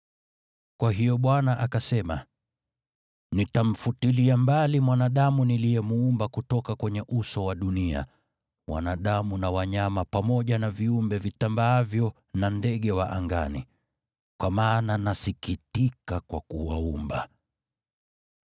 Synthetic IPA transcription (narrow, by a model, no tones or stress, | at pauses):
kwaɦijɔɓwanaʔakasɛma | nitam̩futiliambalimwanaɗamuniliɛmuumbakutɔkakwɛɲɛʔusɔwaɗunia̰ | wa̰naɗamunawaɲamapamɔʄanaviumbɛvitambaavjɔ | nandɛɠɛwaʔaŋɡa̰nḭ | kwamaːnanasikitikakwakuwaumba